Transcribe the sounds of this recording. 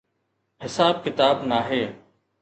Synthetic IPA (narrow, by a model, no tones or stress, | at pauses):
hɪsaːb̚kɪt̪aːbnaːɦeː